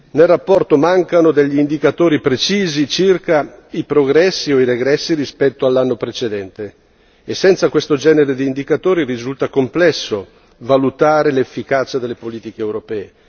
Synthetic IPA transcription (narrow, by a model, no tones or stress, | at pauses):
nelrapːɔrt̪omaŋkanod̪eʎːiːnd̪ikat̪oːɾipɾet͡ʃiːzit͡ʃirkaipɾoɡɾɛsːioiɾeɡɾɛsːirispɛt̪ːoalːanːopɾet͡ʃed̪ɛnt̪e | esːɛnt̪sakwest̪od͡ʒɛːneɾed̪iːnd̪ikat̪oːɾirizult̪akomplɛsːo | valut̪aːɾelefːikat͡ʃad̪elːepoliːt̪ikeːwɾopɛːe